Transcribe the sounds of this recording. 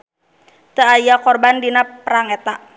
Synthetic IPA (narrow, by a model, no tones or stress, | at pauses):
t̪əajakɔrbandinapəɾaŋɛt̪aʔ